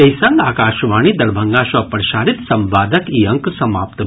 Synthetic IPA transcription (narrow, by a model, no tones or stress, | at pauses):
ɐjsaŋɡaːkaːʃʋaːɳ̃id̪ɐɾbʱɐŋɡaːʃɐpɐɾʃaːɾit̪sɐmʋaːd̪ɐkijɐŋksɐma̰ːpt̪